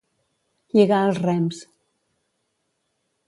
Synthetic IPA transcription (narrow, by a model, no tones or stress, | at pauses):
ʎeɣaəlˠzrɛms